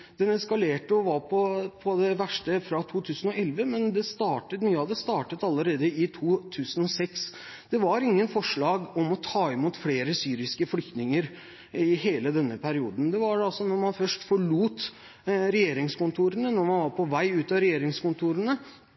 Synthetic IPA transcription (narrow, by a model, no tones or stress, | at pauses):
d̪̥ɛnɛskɑleːʈəɔʋɑɾpʰɔpʰɔd̪ɛʋæʂʈəfɾɑt̪ʰuːt̪ʰʉːsən̩ɔɛlʋəmɛnd̪ɛst̪ɑːʈət̪myːəɑʋd̪ɛst̪ɑːʈət̪ɑlːəɾeːd̪əɪt̪ʰuːt̪ʰʉːsənɔsɛks | d̪̥ɛʋɑɾɪŋːənfɔʂɭɑːɡɔmɔt̪ʰɑːɪmuːt̪fleːɾəsyːɾɪskəflʏkt̪nɪŋəɾ | ɪɦeːləd̪ɛnːəpʰæɾɪuːd̪n̩d̪ɛʋɑɖɛɑlsɔnɔɾmɑnfœʂʈfɔɭuːt̪ | ɾɛjeːɾɪŋskʊnt̪ʰuːɾənənɔɾmɑnʋɑɾpʰɔʋæɪʉːt̪ɑɾɛjeːɾɪŋskʊnt̪ʰuːɾənə